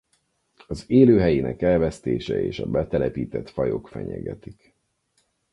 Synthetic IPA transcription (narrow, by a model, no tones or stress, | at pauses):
ɒzeːløːɦɛjinɛkɛlvɛst̪eːʃɛeːʃɒbɛt̪ɛlɛpiːt̪ɛt̪fɒjo̞kfɛɲɛɡɛt̪ik